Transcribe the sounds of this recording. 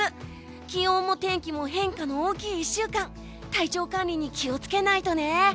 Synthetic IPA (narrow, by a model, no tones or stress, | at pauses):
ɨ | kʲiõːmo̞t̪ẽ̞ŋkʲimo̞ɦẽ̞ŋkano̞oːkʲiːiɕːɨːkãn | t̪ait͡ɕo̞ːkãnʲɾʲiɲ̟ikʲio̞t͡sɨ̥ke̞nait̪o̞ne̞